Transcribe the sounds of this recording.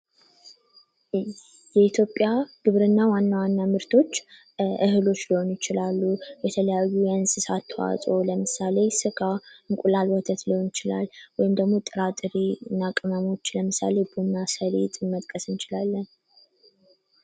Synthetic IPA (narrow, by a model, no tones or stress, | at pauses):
jɛit̪ʰjo̞pʼːjaɡ̥ɨβɾɨnːawanːawanːamɨɾt̪ʰo̞t͡ʃː | ʔɨhɨlo̞t͡ʃːliho̞njɪt͡ʃɪlalːubɛt̪ʰələjajːujɛɨnsɨsat̪ʰːwa̰sʼo̞ləmɨsale̞sɨɡaɨŋkʷʼulalwɔt̪ʰət̪lɨhonɪt͡ʃɪla̰lwɔjɪmd̪əɡmo̞t̪ʼɨɾat̪ʼɨɾiɨnakʼɨməmo̞t͡ʃːləmɨsa̰le̞bunːasəlḛt̪ʼmət̪ʼkʼəsɨnt͡ʃɪlalːən